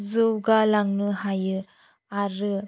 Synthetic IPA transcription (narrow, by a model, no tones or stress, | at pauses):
zɯwɡalaŋnɯɦajɯ | aɾɯ